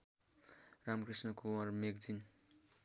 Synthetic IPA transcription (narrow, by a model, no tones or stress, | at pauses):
ramkrisnʌkoʌrmekd͡zin